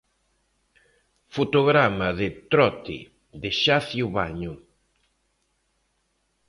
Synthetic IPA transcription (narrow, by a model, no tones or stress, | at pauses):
fot̪oɣɾamɐðɪt̪ɾɔt̪ɪ̰ | ðɪʃaθjuβaɲʊ